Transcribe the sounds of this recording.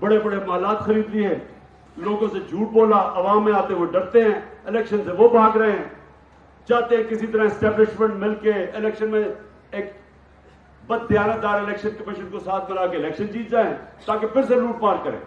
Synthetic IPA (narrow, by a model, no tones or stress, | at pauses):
bəɽeːbəɽemaːlaːt̪xəɾiːd̪iɦɛ̃ː | loːɡõːsed͡ʒʱuːʈ̚boːlaːʔəʋaːmːẽaːt̪eɦʊeɖəɾt̪eɦɛ̃ːɪlɛːkʃənseʋoːbʱãːɡɾəeɦɛ̃ː | t͡ʃaːt̪eɦɛ̃kɪsit̪̬əɾãːɪsʈɛːblɪʃmə̃ɳɖmɪlkeɪlɛːkʃənmẽ | eːk | bət̪ɪjaːnək̚d̪aːɾɪlɛːkʃənkəmɪːʃənkoːsaːt̪ʰmɪlaːkeɪlɛːkʃənd͡ʒiːt̪̚d͡ʒaːeɛ̃ːt̪aːkepʰɪɾseluːʈpaːɾkəɾḛ̃ː